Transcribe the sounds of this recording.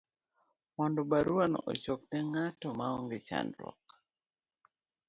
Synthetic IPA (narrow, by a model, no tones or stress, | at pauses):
mɔndɔbaɾwano̰t͡ʃok̚nɛŋatɔmaɔŋɡɪt͡ʃa̰ndɾɔ̰k